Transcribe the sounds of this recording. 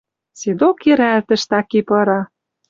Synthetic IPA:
sid̪okeɾælt̪ɘ̆ʃt̪ɑkipɤ̆ɾɑ

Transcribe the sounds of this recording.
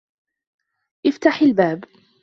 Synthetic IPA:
ʔɪft̪aħɪlbaːb

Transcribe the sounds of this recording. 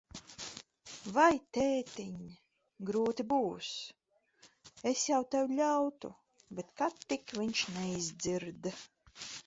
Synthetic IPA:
vajt̪eːt̪iɲ | ɡɾuːt̪ibuːs | esjawt̪ɛwʲʎʲawt̪ṵ | bet̪kat̪ːikviɲʃnɛizd̪ziɾd̪

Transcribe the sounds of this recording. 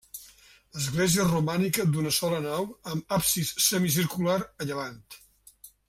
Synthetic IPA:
ləzɣleziərumanikəd̪unəsɔlənawəmapsisːəmisiɾkulaɾəʎəβant̪

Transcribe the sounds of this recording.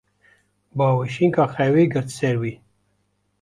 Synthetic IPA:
bɑwiʃiŋkaχɛwiɡəɾt̪seɾwi

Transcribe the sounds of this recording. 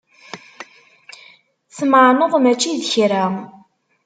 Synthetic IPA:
θmʕnəðˤmæt͡ʃːiðçɾa

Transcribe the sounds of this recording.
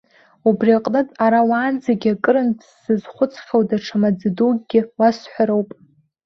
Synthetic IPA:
ubriaqʼnɨtʼaɾawaːnd͡zaɡʲakʼɨɾɨntʰsɨzχʷʊt͡sʰʼχʲawdaʈ͡ʂʰamad͡zdoɡɡʲɪwasħʷᶣaɾowpʼ

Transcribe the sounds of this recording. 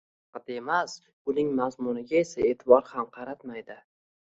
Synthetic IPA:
ɑqɑt̪emas | ʊnɪŋmazmʊnɪɡʲae̞sae̞t̪ʰɪbɒɾhamqʰɑɾat̪majd̪ɪ

